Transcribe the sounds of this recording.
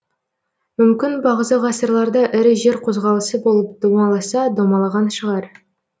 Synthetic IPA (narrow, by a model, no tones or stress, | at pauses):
mʏmkʲɪnbɑʁəzɑʁɑsəɾlˠɑɾd̪ɑʔɪɾɪʒe̞ɾqʰo̞zʁɑlˠəsəbo̞lˠəp̚d̪̥omɑlˠɑsɑd̪omɑlˠɑʁɑnʃəʁɑɾ